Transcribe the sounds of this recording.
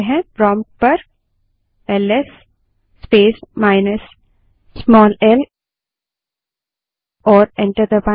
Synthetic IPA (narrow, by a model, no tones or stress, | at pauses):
ɦɛ̃bɾɔːmʈ̚pɐɾ | ɛlɛsː | peːsmaːɪnəsː | mɔːlɛl | ɔːɾɛ̃ɳʈəɾd̪əpã